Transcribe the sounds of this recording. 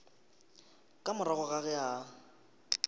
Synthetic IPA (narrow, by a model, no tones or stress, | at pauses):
kʼamʊɾɔɣɔɣaɣɛa